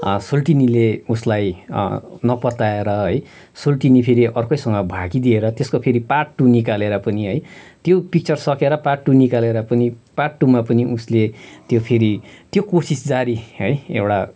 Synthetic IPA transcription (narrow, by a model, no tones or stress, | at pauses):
solʈinileuslaj | nʌpʌt̪aeɾʌɦʌj | solʈinipʰeɾiʔʌrkojsʌŋɡʌbʱaɡid̪ieɾʌt̪eskopʰeɾiparʈːunikaleɾʌpʌniɦʌjt̪jopik̚t͡sʌrsʌkeɾʌparʈːunikaleɾʌpʌnipaʈːumapʌniʔuslet̪jopʰeɾit̪jokosisd͡zaɾiɦʌjḛwɽa